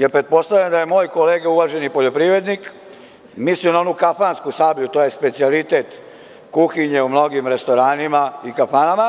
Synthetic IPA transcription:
jeɾpɾet̪̚po̞st̪aʋʎand̪ajemo̞ːjkoleːɡeuʋaʒe̞nipo̞ʎo̞pɾiʋɾe̞d̪nik | mislinao̞nukafaːnskusaːbʎut̪oːjespe̞t̪sialit̪e̞t̪ | kuxiɲeumno̞ɡimɾe̞st̪o̞ɾaːnimaikafaːnama

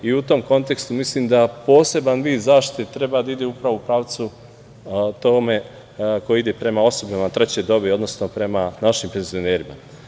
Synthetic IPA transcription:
iut̪o̞mko̞nt̪e̞kst̪umisliːmd̪apo̞ːse̞banʋiːd̪zaːʃt̪i̥t̪et̪ɾe̞bad̪aid̪e̞upɾaʋoupɾaːʋt̪su | t̪oːme̞ | ko̞jid̪epɾe̞mao̞sobamat̪ɾe̞t͡ɕe̞d̪o̞beo̞d̪no̞sno̞pɾe̞manaʃimpe̞nzio̞ne̞ːɾima̰

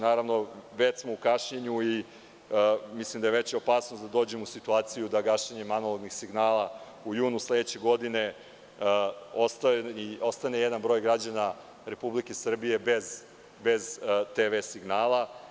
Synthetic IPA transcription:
naːɾaʋno̞ʋet̪smoukaʃɲeɲui | mislimd̪ajeʋet͡ɕjeopaːsnod̪ad̪o̞ːd͡ʑemusit̪uaːt̪sijud̪aɡaʃeɲe̞manoloɡnixsiɡnaːlˠa | ujuːnuslˠed̪et͡ɕe̞ɡo̞d̪ine̞ | ost̪aio̞st̪anejɛd̪anbɾo̞ːjɡɾad͡ʑana | ɾe̞publike̞sr̩bije̞bez | bezt̪eʋesiɡnaːlˠa

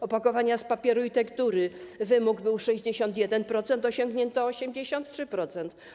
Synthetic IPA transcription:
ɔpakɔvaɲaspapʲjɛɾuit̪ɛkt̪uɾɘvɘmuɡbɘwʂɛʑd͡ʑeɕɔnt̪jɛd̪ɛnpɾɔt̪sɛnt̪ɔɕɔ̃ŋɡɲɛnt̪ɔːɕɛmd͡ʑeɕɔnt̪tʂɘpɾɔt̪sɛnt̪

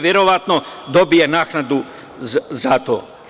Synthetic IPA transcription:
ʋjeɾoʋat̪nod̪o̞bijenaːknad̪u | zat̪o̰ː

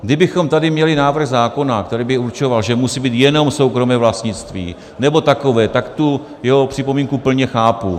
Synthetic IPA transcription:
ɡdɪbɪxo̞mt̪adɪmɲɛlɪnaːvr̩ɣzaːko̞nak̚t̪ɛɾiːbɪuɾt͡ʃo̞valʒɛmusiːbiːt̪jɛno̞mso̞wkɾo̞mɛːvlast̪ɲɪt͡st̪vḭː | nɛbo̞t̪ako̞vɛːt̪akt̪u | jɛɦo̞pr̥ɪpomiːŋkupl̩ɲɛxaːpu

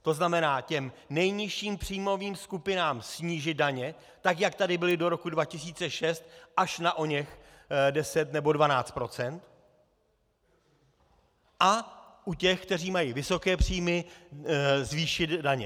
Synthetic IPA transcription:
t̪o̞znamɛnaːcɛmnɛjɲɪʃiːmpr̥iːmo̞viːmskupɪnaːmsɲiːʒɪd̪̚daɲɛ | t̪akjakt̪adɪbɪlɪdo̞ɾo̞kudvacɪs̬iːt͡sɛʃɛst̪̚ʔaʃnaʔo̞ɲɛx | dɛsɛt̪nɛbo̞dvanaːt͡st̪̚pɾo̞t͡sɛnt̪ | ʔa | ʔucɛxk̚t̪ɛr̝iːmajivɪso̞kɛːpr̝̥iːmɪ | zviːʃɪd̪daɲɛ̰

